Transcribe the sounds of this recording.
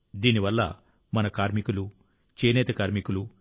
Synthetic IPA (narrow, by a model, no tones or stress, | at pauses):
d̪iːniʋɐlːɐ̰ | mɐnɐkaːɾmikulu | t͡ʃeːnɛːt̪ɐkaːɾmikulu